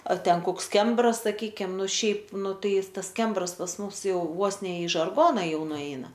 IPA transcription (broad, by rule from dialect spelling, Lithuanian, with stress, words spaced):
ˈɐr ˈtʲɛn ˈkoːks ˈkʲɛmbrɐs sɐˈkʲiːkʲɪm ˈnʊ ˈʃʲɛɪp ˈnʊ ˈtɐɪ ˈɪs ˈtɐs ˈkʲɛmbrɐs pɐs ˈmʊms ˈjɛʊ ˈʋoːs nʲɛ ɪ ʒɐrˈɡoːnɐ ˈjɛʊ nʊˈɛɪnɐ